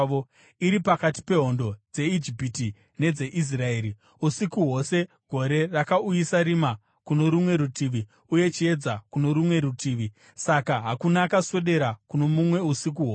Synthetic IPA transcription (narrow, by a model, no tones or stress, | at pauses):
o | iɾipakati̥pe̞ɦo̞ndo̞d͡ze̞id͡ʒipiti | ne̞d͡ze̞ʔis̬rae̞ːɾi | usikuɦo̞se̞ | ɡ̥ʱo̞ɾe̞rakaujisaɾima | kuno̞ɾumwe̞ɾutiʋi | uje̞t͡ʃie̞d͡zakuno̞ɾumwe̞ɾutʰiːʋi | sakaɦakunaːkaswe̞ɗe̞ɾakuno̞mumwe̞usik̬uɦoː